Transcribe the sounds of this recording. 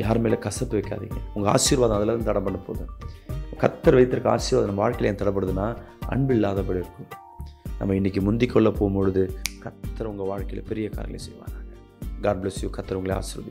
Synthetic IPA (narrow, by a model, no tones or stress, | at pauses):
jaːɾmeːlɐkɐsɐp̪ːɯʋɐɪkːa̰ːðɪ̰ŋɡɐʊŋɡɐa̰ːʂiːɾʋaːðɐ̃ɐðɐlaːnd̪t̪ɐɽɐmpɐɳːɯpo̰ːðũkɐt̪ːɐɾʋɐɪt̪ːɯɾɯkːa̰ːsiːɾʋaːðnɐmːɐʋaːɻkɐɪlɐeːnɐt̪ɐɽɐp̬ːɐɽɯðɯnːaː | ʔɐ̰ɳbɯɪlːaːðɐpɐɽiɪɾɯkːɯm | nɐ̰mːɐɪnːɪkːɯmʊnd̪ɪkːɔɭːɐpːoːmpoɻɯðɯkɐt̪ːɐɾɐʊŋɡɐʋaːɻkɐɪlɐpɛɾɪjɐka̰ːɾɐ̰ɐlḛsɛjɯʋa̰ːŋɡaːŋɡɐ | ɡaːɾblesjukɐt̪ːɐɾʊŋɡɐɭea̰ːsɪɾʋaːðɪ